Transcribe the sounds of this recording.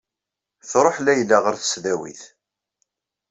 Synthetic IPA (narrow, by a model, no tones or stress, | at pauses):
θɾˤoħlæjəlːæʁəɾθə̥sðæwḭθ